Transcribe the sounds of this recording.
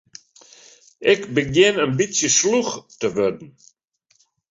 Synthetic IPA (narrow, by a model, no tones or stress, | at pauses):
ʔɪkbəɡjɪnənbisjəsluxtəʋødn̩